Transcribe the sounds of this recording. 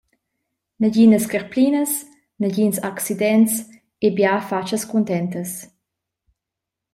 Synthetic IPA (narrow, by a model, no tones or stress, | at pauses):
nəɟinəskəɾplinəs | nəɟinsaksidɛns | ebjafat͡ʃəskunt̪ɛntəs